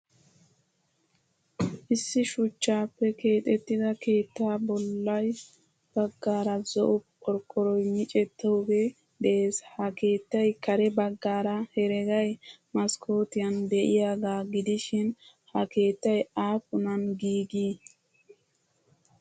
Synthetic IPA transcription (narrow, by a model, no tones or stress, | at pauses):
ʔɪsːɪʃʊt͡ʃːaːpːɛke̞ːt̪ʼɛt̪ːɪd̪ɐke̞ːt̪ːaːbɔlːɐj | b̥ɐɡːaːɾɐzɔʔʊpɔɾkːɔɾɔjmɪt͡ʃʼɛt̪ːɔwɡe | d̪eeːshɐke̞ːt̪ːɐjkɐɾɛbɐɡːaːɾɐhɛɾɛɡɐjmɐskʰo̞ːt̪ɪjɐnd̪ɛʔɪjaɡaːɡɪd̪ɪʃɪn | hɐke̞ːt̪ːɐjaːpʊnɐnɡiːɡiː